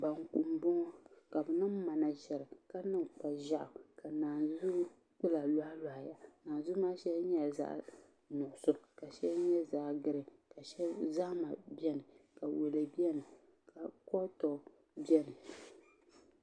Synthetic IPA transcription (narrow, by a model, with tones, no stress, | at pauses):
ba˨ŋku˨m˨bɔ˦ŋɔ˦ka˨bɨ˨nɨ˦m˦ma˨na˨ʒɛ˨ɾɨ˨ka˦nɨ˦mk͡pa˨ʒa˦ʔʊ˨ka˨naː˨zu˦ | k͡pɨ˦la˨la˦a˦la˨ha˨ja˨naː˨nzʊ˦maː˦ʃɛ˦bɲɛ˦za̰˦ʔ | nʊ˨ʔʊ˨sʊ˦˨ka˨ʃɛ˦ɲɛ˦zaː˨ɡɨ˦ɾɨ˨ka˨ʃɛ˦za˦ma˨bjɛ˦nɨ˨ka˨we˨le˨bi˦ɛ˦nɨ˨ | ka˨kɔ˦tɔ˨ | bɛ˦nɨ˨